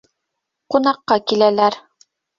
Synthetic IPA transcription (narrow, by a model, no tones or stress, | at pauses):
qunɑqːɑkilælæɾ